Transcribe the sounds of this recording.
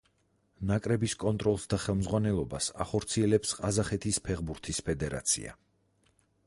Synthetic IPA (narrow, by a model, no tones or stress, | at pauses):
nakʼɾɛbiskʼɔnt̪ʼɾɔlˠsd̪aχɛlˠmzʁwanɛlˠɔbasa̰χɔɾt̪sʰiɛlɛpsqʼazaχɛt̪ʰispʰɛʁbuɾt̪ʰispʰɛd̪ɛɾa̰t̪sʰḭa̰